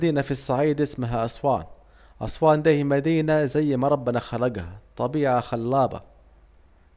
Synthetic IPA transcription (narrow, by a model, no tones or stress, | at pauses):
d̪iːnafisˤːɑʕiːd̪ʔɪsmaɦaʔɑsˤwɑːn | ʔɑsˤwɑːnd̪iːhimad̪iːnazajːmaɾˤɑbːɪnaxaɾˤɑɡhat̪ˤɑbiːʕaxalːɑːbɑ̰